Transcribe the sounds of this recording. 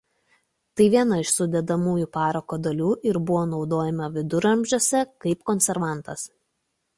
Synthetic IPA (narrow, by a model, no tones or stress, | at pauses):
t̪ɐɪʋʲiɛnɐɪʃsʊd̪ʲɛd̪ɐmuːjupɑːɾɐkoːd̪ɐlʲuːʔɪɾbʊʋoːnɒʊd̪oːjɛmɐʋʲɪd̪ʊɾɐmʲʒʲoɔsʲɛkɐɪpkɔnʲsʲɛɾʋɑˑnˑt̪ɐs